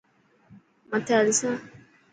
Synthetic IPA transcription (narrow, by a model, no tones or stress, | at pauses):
mataɾisa